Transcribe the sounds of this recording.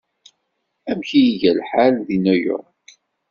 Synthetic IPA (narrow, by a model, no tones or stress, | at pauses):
æmçijiʝælħalðinæjʊ̰ɾˤk